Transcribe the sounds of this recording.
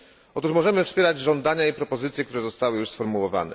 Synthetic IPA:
ɔt̪uʂmɔʐɛmɘfspʲjɛɾad͡ʑʐɔnd̪aɲaipɾɔpɔzɘt̪sʲjɛkt̪uɾɛzɔst̪awɘjuʂsfɔɾmuwɔva̰nɛ̰

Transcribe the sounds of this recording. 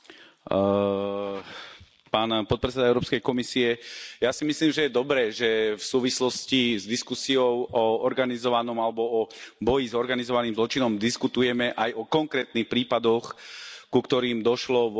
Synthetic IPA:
paːnpɔt̪pɾɛt͡sːɛd̪aɛʊɾɔːpskɛjkɔmisiɛjasimisliːmʒɛjɛd̪ɔbɾɛːʒɛfsuːʋislɔscizd̪iskusiɔʊɔɔɾɡanizɔʋanɔmalɛbɔɔbɔjizɔɾɡanizɔʋaniːmzlɔt͡ʃinɔmd̪iskut̪ujɛmɛʔajɔkɔŋkɾɛːt̪nixpɾiːpad̪ɔxkukt̪ɔɾiːmd̪ɔʃlɔʋ

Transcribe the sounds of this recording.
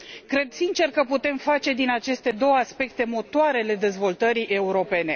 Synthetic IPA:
kɾe̞d̪sint͡ʃe̞rkəput̪e̞mfat͡ʃe̞d̪inat͡ʃe̞st̪e̞d̪o̞wəaspe̞kt̪e̞mo̞t̪oaɾeale̞d̪e̞zvo̞lt̪əɾiʔe̞uɾo̞pe̞ne̞

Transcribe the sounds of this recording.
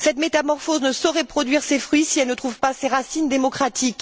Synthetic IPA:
sɛt̪met̪amɔʁfoznəsɔʁɛpχɔd̪ɥiʁsefχɥisiɛlnət̪χuvpaseʁasind̪emɔkχat̪ʰik

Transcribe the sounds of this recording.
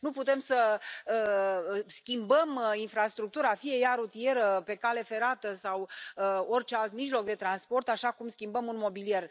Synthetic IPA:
nuput̪e̞msə | skʲimbəminfɾast̪ɾuk̚t̪uɾafije̞jaɾut̪ie̞ɾəpe̞kale̞fe̞ɾat̪əsawəo̞rʲt͡ʃe̞alt̪miʒlo̞k̚d̪e̞t̪ɾanspo̞rt̪aʃakumskʲimbəmunmo̞bilije̞r

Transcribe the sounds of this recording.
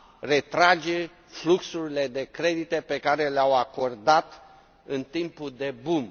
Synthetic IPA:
re̞t̪ɾad͡ʒe̞ | fluksuɾile̞d̪e̞kɾe̞d̪it̪e̞pe̞kaɾe̞leawako̞rd̪at̪ | ɨnt̪impuld̪e̞bum

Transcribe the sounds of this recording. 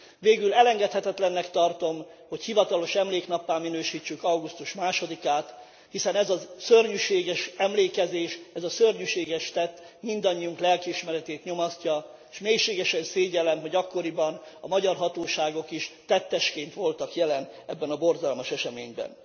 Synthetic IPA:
veːɡylɛlɛŋɡɛt̪hɛt̪ɛt̪lɛnːɛkt̪ɒrt̪o̞m | ho̞chivɒt̪ɒlo̞ʃɛmleːknɒpːaːmːinøːʃiːt͡ʃːykɒwɡust̪uʃmaːʃo̞d̪ikaːt̪ | hisɛnɛzɒzsørɲyʃeːɡɛʃɛmleːkɛzeːʃɛzɒsørɲyʃeːɡɛʃt̪ɛt̪ːmind̪ɒɲːiuŋklɛlkiiʃmɛɾɛt̪eːt̪ɲo̞mɒscɒ | eʃmeːjʃeːɡɛʃɛnseːɟɛlɛmɦo̞ɟɒkːo̞ɾibɒnɒ̰mɒɟɒrɦɒt̪oːʃaːɡo̞kiʃt̪ɛt̪ːɛʃkeːnt̪ʋo̞lt̪ɒkjɛlɛn | ɛbːɛnɒbo̞rzɒlmɒʃɛʃɛmeːɲbɛ̰n

